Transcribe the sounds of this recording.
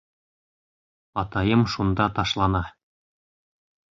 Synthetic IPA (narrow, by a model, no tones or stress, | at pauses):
ɑt̪ɑjɤmʃund̪ɑt̪ɑʃlˠɑnɑ